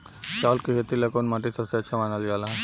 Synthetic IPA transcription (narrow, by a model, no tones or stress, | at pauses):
t͡ʃaːlkɪɦet̪ilekonmaːʈisɐbseɐtːʃʰamaːnaljaːlaɦ